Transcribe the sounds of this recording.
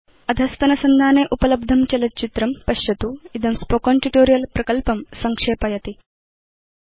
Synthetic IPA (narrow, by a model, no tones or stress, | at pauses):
ɐd̪ʱɐst̪ɐnɐsɐnd̪ʱaːneːʔupɐlɐb̚d̪ʱɐmt͡ʃɐlɐt̪̚t͡ʃit̪ɾɐmpɐʃjɐt̪uid̪ɐmspokoːɳʈiʈoːɾijɐlpɾɐkɐlpɐmsɐŋkʂeːpɐjɐt̪i